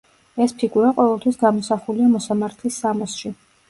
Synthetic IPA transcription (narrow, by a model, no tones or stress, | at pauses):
ɛspʰiɡuɾaqʼɔvɛlˠt̪ʰwisɡamɔsaχuliamɔsamaɾt̪ʰlisːamɔsʃi